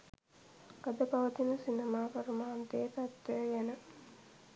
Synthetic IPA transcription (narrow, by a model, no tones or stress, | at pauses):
ɡɐd̪əpaʋət̪inəsinemaːpəɾəmaːnt̪eːt̪at̪ːəjəjænə